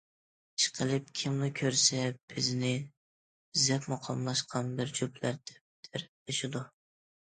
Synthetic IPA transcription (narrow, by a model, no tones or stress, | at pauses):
ʃqʰəlˠɨp̚kʲʰɪmlɪkʲʰøɾsɛb̥ɪznɪ | zɛpmʊqʰɑmlˠɑʃqʰɑnbɪɾd͡ʒuplæɾd̪̥ɛ̥p̚d̪̥ʰɪɾ | ɪʃɪd̪ʊ